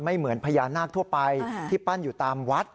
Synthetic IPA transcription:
ma˥˩jmɯ˩˦ənpʰa˧jaː˧nːaː˥˩k̚t̪ʰu˥˩əpa˧jt̪ʰiː˥˩pa˥˩njuː˨˩t̪aː˧mwa˦˥t̪̚

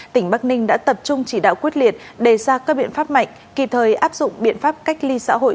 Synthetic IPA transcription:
t̪ï˧˩ŋ̟ɓaː˦˥k̚nï˧ŋɗa̰ː˧˥t̪ə˨˩p̚t͡ɕʊ˧ŋ͡mt͡ɕi˧˩ɗa̰ː˧˨wkwət̚li˨˩ət̚ɗe˧˨˩saː˧˩kaː˦˥k̚ɓḭ˧˨ənfaː˦˥p̚ma̰˧˨jŋ̟ki˨˩t̪ʰəː˨˩jʔaː˦˥p̚zʊ̰˧˨ŋ͡mɓḭ˧˨ənfaː˦˥p̚ka˦˥jk̟̚li˧sa̰ː˧˥ɦo̰˧˨

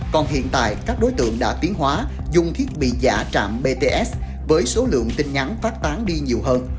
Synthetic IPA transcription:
kɔ˨˩nhḭ˧˨ənt̪a̰ː˧˨jkaː˦˥k̚ɗo˨˦jt̪ɨ̰˧˨əŋɗa̰ː˧˥t̪i˨˦əŋhɦwaː˨˦zʊ˧ŋ͡mt̪ʰi˦˥ət̚ɓḭ˧˨za̰ː˧˩t͡ɕa̰ː˧˨mɓe˧t̪e˧ʔɛ˦˥s | vəː˨˦jso˨˦lɨ̰˧˨əŋt̪ï˧ŋ̟ɲa˨˦nfaː˦˥t̚t̪aː˨˦nɗi˧ɲi˨˩əwɦəː˧n

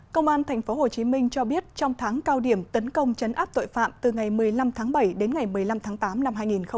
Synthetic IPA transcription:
kə˧wŋ͡mʔaː˧nt̪ʰɛ˨˩jŋ̟fo˨˦ɦo˨˩t͡ɕi˨˦mï˧ŋ̟t͡ɕɔ˧ɓi˦˥ət̚t͡ɕɔ˧wŋ͡mt̪ʰaː˨˦ŋkaː˧wɗi˧˩əmt̪ə˨˦nkə˧wŋ͡mt͡ɕə˨˦nʔaː˦˥p̚t̪o̰˧˨jfa̰ː˧˨mt̪ɨ˨˩ŋa˨˩jmɨ˨˩əjla˧mt̪ʰaː˨˦ŋɓə˧˩jɗe˨˦nŋa˨˩jmɨ˨˩əjla˧mt̪ʰaː˨˦ŋt̪aː˨˦mna˧mɦaː˧jŋi˨˩nxə˧ŋ͡m

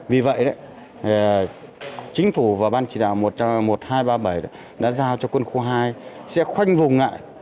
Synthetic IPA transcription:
vi˨˩və̰˧˨jɗə̰˨˦˨ | t͡ɕï˨˦ŋ̟fu˧˩vaː˨˩ɓaː˧nt͡ɕi˨˩ɗa̰ː˧˨wmo˨˩t̚t͡ɕmo˨˩t̚haː˧jɓaː˧ɓə˨˩jɗə̰˧˦ | ɗa̰ː˧˥zaː˧wt͡ɕɔ˧kwə˧nxu˧ɦaː˧jsɛ̰˧˥xwa˧jŋ̟vʊ˨˩ŋ͡mŋa̰ː˧˨j

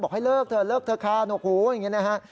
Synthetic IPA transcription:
bɔː˨˩k̚ha˥˩jlɤː˥˩k̚t̪ʰɤː˧˩lɤː˥˩k̚t̪ʰɤː˧kʰaː˧˩noː˧˩k̚huː˨˦jŋi˦˥na˦˥kʰa˦˥ʔ

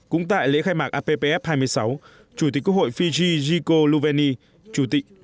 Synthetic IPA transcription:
kʊ̰˧˥ŋ͡mt̪a̰ː˧˨jlḛ˧˥xaː˧jmaː˨˩ʔaː˧pe˧pe˧ʔɛ˦˥p̚haː˧jmɨ˧əjsa˨˦w | t͡ɕu˧˩i˨˩˦k̚kk̚ho̰˧˨jfi˧zi˧zi˧ko˧lu˧vɛ˧ni˧ | t͡ɕu˧˩t̪ḭ˧˨

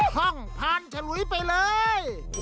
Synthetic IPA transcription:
hɔ˧˩ŋpʰaː˧nt͡ɕʰa˧lu˨˦jpa˧jlɤː˧j

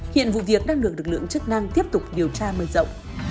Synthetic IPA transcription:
hḭ˧˨ənvṵ˧˨vi˨˩ək̚ɗaː˧ŋɗɨ˨˩ək̚lɨ˨˩k̚lɨ̰˧˨ə˨ŋt͡ɕɨ˦˥k̚na˧ŋt̪i˦˥əp̚t̪ʊ˨˩k͡p̚ɗi˨˩əwt͡ɕaː˧məː˨˩jzə̰˧˨wŋ͡m

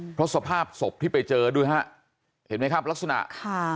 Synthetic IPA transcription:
pʰɾɔ˦˥su˨˧˦pʰaː˥˩p̚so˨˩p̚t̪ʰiː˥˩pa˧jt͡ɕɤː˧duː˧˩jɦa˦˥ʔ | he˩˦nma˦˥jkʰa˦˥˩p̚la˦˥k̚sa˧na̰˨˩ʔkʰa˥˩

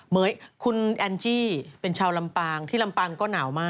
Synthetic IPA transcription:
mɤː˩˦jkʰu˧nʔɛ˧nt͡ɕiː˥˩pe˧nt͡ɕʰaː˧wla˧mpaː˧ŋt̪ʰiː˥˩la˧mpaː˧ŋkɔː˥˩naː˩˦wmaː˥˩

